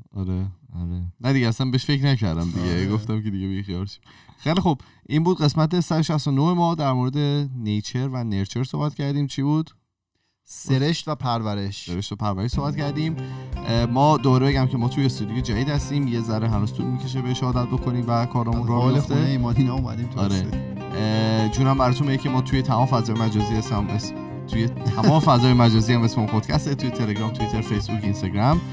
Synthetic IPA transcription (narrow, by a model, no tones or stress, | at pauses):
ɒɾeɒɾenæd̪iɟeæsæmbeeʃfe̞cɾnæcæɾd̪æ̰md̪iɟeɡoft̪æmcʰe̞d̪iɟebixijɒːlʃi̥ | xeːjlixob | ʔiːmbuːd̪ɢe̞smæt̪esædeʃæst̪onohemɒːd̪æɾmoɾe̞d̪e̞nejt͡ʃʰe̞ɾvæneɾt͡ʃʰe̞ɾsoːbæt̪cʰæɾd̪iːmt͡ʃʰiːbuːd̪̥ | seɾe̞ʃt̪væpʰæɾvæɾe̞ʃseeʃt̪væpʰæɾvæɾeʃsohbæt̪cæɾd̪ĩːm | mɒːd̪obɒːɾebeɟæmcʰe̞mɒːt̪ʰujest̪ud̪ijed͡ʒædiːd̪hæst̪iːmjezæɾeɦænuːst̪ud̪micʰe̞ʃ̬ebeʃehɒːd̪æt̪̚bo̞kʰoniːmvækʰɒːɾɒːmunɾɒːheɾoft̪eeimɒd̪inɒumæ̰d̪imɒɾe | d͡ʒuːɾæmbæɾɒːt̪ʰunmeecʰemɒːt̪ʰuje̞t̪ʰæmɒːmefæzɒːjemæd͡ʒɒːziːesms | t̪ʰujet̪ʰæmɒːmefæzɒːjemæd͡ʒɒːziːæmesmeunpot̪cʰæst̪et̪ʰujet̪ʰeleɡɾɒːmt̪ʰuit̪ʰe̞ɾfejsbuːkinst̪eɡɾæm